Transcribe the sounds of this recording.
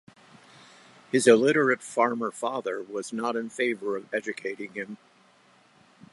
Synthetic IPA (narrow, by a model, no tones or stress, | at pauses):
hɨzɨlɪɾə˞ɨtfɑɹmə˞fɑðə˞wʌznəɾɨ̃nfeɪvə˞ʌvɛd͡ʒɨkʰeɪɾɪ̃ŋɪ̃m